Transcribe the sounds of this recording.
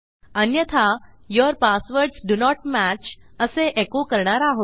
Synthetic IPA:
ənjət̪ʰa | jɔɾpasʋəɾɖsɖunɔʈmæt͡ʃəseʔekukəɾɳaɾaɦo

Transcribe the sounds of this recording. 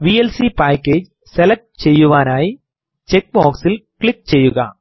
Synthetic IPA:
ʋiːɛlsipaːkːeːd͡ʒ | sɛlɐk̚ʈ̚t͡ʃɛjːɯʋaːnaːj | t͡ʃɛk̚baːksɪlkɭɪk̚t͡ʃɛjːɯɣa̰ː

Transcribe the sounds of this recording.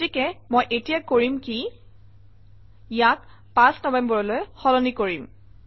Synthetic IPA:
tikɛmojʔetijakoɹimki | jak | pãsnɔbɛmbɔɹɔlojxɔlɔnikoɹim

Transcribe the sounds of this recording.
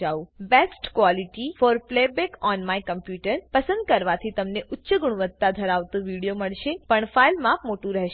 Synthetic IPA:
aʋũbesʈkʋɔliʈifɔɾplebekɔnmajkəmpjuʈəɾpəsə̃nd̪̚kəɾʋat̪ʰit̪əmneʔʊtːʃəɡuɽ̃uʋət̪ːad̪ʱəɾaʋt̪ũʋiɽijoməɭʃepəɳfailmãpmoʈũɾɛɦʃ

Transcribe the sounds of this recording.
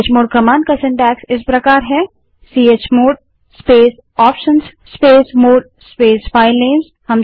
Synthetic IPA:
t͡ʃmoːɖ̚kɐmãːnkasɪ̃ɳʈɛːksɪspɾɐkaːɾɦɛː | siːeːt͡ʃmoːɖ̚ | speːs | ɔːpʃənsːpeːsmoːɖ̚ | speːsfʰaːɪlːẽːms | hɐm

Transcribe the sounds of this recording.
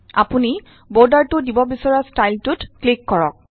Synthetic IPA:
a̰puni | bodaɹtʊdibɔbisɔɹastajltʊtklikːɔɹɔ̰k̚

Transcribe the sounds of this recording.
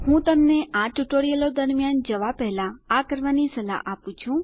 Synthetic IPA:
hũt̪əmneʔaʈuʈoɽijəlod̪əɾmjand͡ʒəʋapɛɦlaakəɾʋanisəla̰ʔapũt͡ʃʰũ

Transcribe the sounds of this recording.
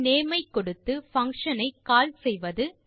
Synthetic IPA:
neːmɐɪkːɔɽɯt̪ːɯfɐŋkʂɐnɐɪkaːlsɛjʋɐðɯ

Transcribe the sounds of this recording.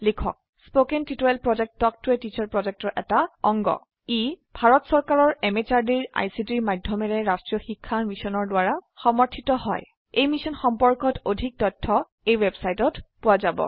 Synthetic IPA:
likʰɔ̰k̚ | spokɛntitɔɹɛlpɹɔd͡ʒɛk̚tɔk̚tʊɛtit͡ʃaɹpɹɔd͡ʒɛk̚tɔɹʔɛtaɔŋɡɔ̰ | ibʱaɹɔtsɔɹkaɹɔɹɛmet͡ʃaɹdiɹa̰jsitiɹmadʱjɔmɛɹɛɹastɹijɔxikʰːamisɔnɔɹdwaɹaxɔmɔɹtʰitɔhɔ̰j | ejmisɔnxɔmpɔɹkɔtʰodʱik̚tɔtʰːɔ | ejwebsajtɔtpʊwazabɔ̰

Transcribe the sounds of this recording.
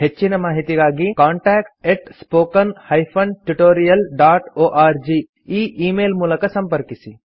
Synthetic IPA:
ɦet͡ʃːinɐmaːɦit̪ikaːɡikaːɳʈɛːk̚ʈeʈspoːkɐnhɐjpʰɐɳʈuʈoːɾijɐlɖaːʈoːʔaːɾd͡ʒiː | iːʔiːmeːlmulɐkɐsɐmpɐɾkisi

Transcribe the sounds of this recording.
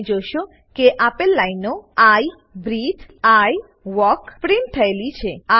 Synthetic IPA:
d͡ʑoʃo | keʔapelːajnoaj | bɾit̪aj | wɔkpɾiɳʈʰajlit͡ɕʰea

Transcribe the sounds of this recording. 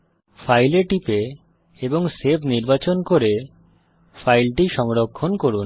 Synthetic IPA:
fʰajleʈipe | eboŋsebʰʱniɾbat͡ɕonkoɾe | fʰajlʈiʃɔŋɾokʰːonkoɾun

